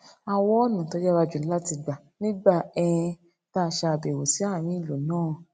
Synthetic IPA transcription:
a˨wɔ̃˧˦ɔ˦˨nũ˨to˨˧˦d͡ʒɛ˦wa˧d͡ʒu˨˦la˦ti˧ɡ͡ba˨ | nĩ˦ba˦˨ɛ˧ | ta˦˧˨ʃa˧˨be˨wo˨si˨˦a˦˨m̃ĩ˨˦i˦˨lo˨nãː˦˨

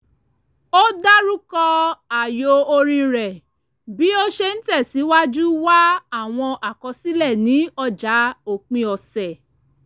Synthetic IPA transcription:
o˦da˦ɾu˦kɔ˧a˨jo˧o˧ɾ̃ĩ˧ɾɛ˨ | bi˨˦o˦ʃe˧ñ̩˦tɛ˦˨si˨˦wa˦d͡ʒu˦wa˦a˦˨w̃ɔ̃˧ʔa˨kɔ˨˧˦si˦lɛ˦˨nĩ˨˦ɔ˧d͡ʒa˨˦o˨k͡pĩ˧ɔ˨sɛ˨

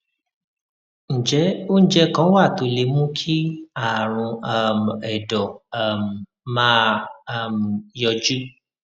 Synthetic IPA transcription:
ñ̩˨d͡ʒɛ˨˦o˦ñ̩˦d͡ʒɛ˦kã˨˦wa˦˨to˨˧le˧˦mũ˦kʰi˦a˦˨ɾ̃ũ˧a˨m˨ɛ˨dɔ˨a˨m̩˨ | mã˦a˨m˨jɔ˧d͡ʒu˦

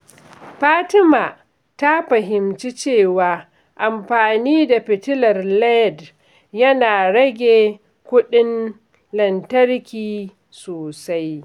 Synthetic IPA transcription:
ɸaː˦tɪ˦maː˨ | ta˦ɸɐ˨ɦɪ˨mt͡ʃi˦t͡ʃeː˦˨waː˨ | ʔa˨mɸaː˨niː˦da˨ɸɪ˨tɪ˦lɐ˨rlɛ˦˨d | jɐ˦naː˨ɽɐ˦ɡʲeː˨ | kʷʊ˦ɗɪ˦n | lɐ˨ntɐ˦rkʲiː˨ | soː˨sa˦j

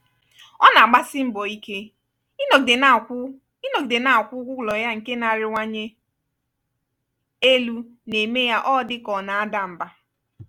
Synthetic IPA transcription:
ɔ˦na˨a˨ɡ͡ba˦sɪ˦m̩˦bɔ˨i˦ke˦ | no˨de˨n˨˦ | no˨de˨na˦˨kʷʊ˦ɡʷʊ˦˨lɔ˨ja˦ŋ̩˨ke˦na˨ɾɪ˨ŋʷa˦ɲe˦ | e˦lu˦ne˨me˦ja˦ʔɔ˦dɪ˦kɔ˨na˨a˦da˨m̩˨ba˦

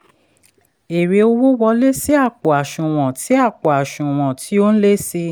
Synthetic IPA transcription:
e˨ɾe˧˦o˧wo˦wɔ˧le˦si˦a˦˨k͡pɔ˨a˨ʃũ˨w̃ɔ̃˨ti˨˦a˦˨k͡pɔ˨a˨ʃũ˨w̃ɔ̃˨tʰi˨˦o˦ñ̩˦le˦se˧

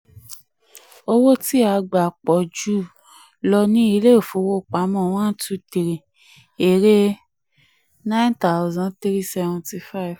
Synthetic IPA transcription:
o˧wo˦ti˦a˧ɡ͡ba˨k͡pɔ˨d͡ʒu˦˨ | lɔ˧nĩ˦i˦˧˦le˦o˨fo˨˦wo˦˨k͡pa˨˦mɔ̃˦˨w̃ã˦tu˧ti˨ɾe˨ | e˨ɾe˦ | nã˦nta˨ʊ˨zã˨˦tɾi˦sɛ˧vɔ̃˨nti˧fa˦i˨v

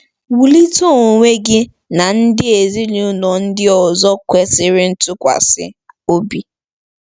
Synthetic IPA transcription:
wu˨li˦to˦o˨ŋʷe˦ɡɪ˦ | na˨n̩˦dɪ˦e˨zi˦lu˨ʊ˦nɔ˨n̩˦dɪ˦ɔ˨zɔ˦kʷe˦sɪ˦ɾɪ˦n̩˦tʊ˦kʷa̰˨sɪ̰˦o˦bi˦

